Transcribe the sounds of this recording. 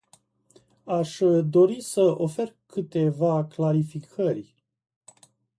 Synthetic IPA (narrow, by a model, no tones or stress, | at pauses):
aʃd̪o̞ɾisəo̞fe̞rkɨt̪e̞vaklaɾifikʰərʲ